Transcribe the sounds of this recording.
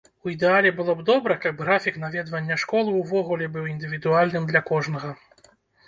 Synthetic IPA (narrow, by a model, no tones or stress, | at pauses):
uid̪ɛalʲɛbɨlˠɔbd̪ɔbɾɐkɐbɣɾafʲikn̪avʲɛd̪vɐnʲːɐʂkɔlˠɨwvɔɣulʲɛbɨwind̪ɨvʲid̪ualʲnɨmd̪lʲɐkɔʐnɐɣɐ